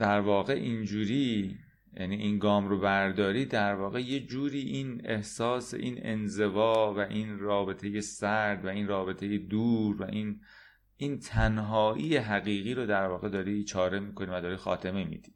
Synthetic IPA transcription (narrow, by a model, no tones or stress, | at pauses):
d̪̥æɾvɒːɣe̞ʔind͡ʒuːɾiː | jʔæ̰niʔiːnɡɒːmɾobæɾd̪ɒːɾiːd̪æɾvɒːɣe̞je̞d͡ʒuːɾiːʔiːne̞hsɒːse̞̰ʔiːnḛnze̞vɒːvæʔiːnrɒːbe̞t̪ʰejesæɾd̪væiːnrɒːbe̞t̪ʰejed̪uːɾvæ̰ʔiːn | ʔint̪ʰænɦɒːʔiːjeɦæɣiːɣiːɾod̪æɾvɒːɣe̞d̪ɒːɾit͡ʃʰɒːɾe̞miːkʰo̞niːvæd̪ɒːɾiːxɒ̰ːt̪ʰe̞memḭːd̪̥i̥ː